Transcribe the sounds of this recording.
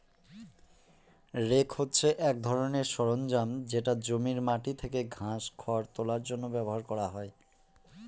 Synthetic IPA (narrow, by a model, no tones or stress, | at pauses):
ɾekhotːɕʰeʔɛk̚d̪ʱɔɾoneɾʃɔɾond͡ʑamd͡ʑeʈad͡ʑomiɾmaʈit̪ʰekeɡʱãʃkʰɔɾt̪olaɾd͡ʑonːobɛboɦaɾkɔɾaɦɔe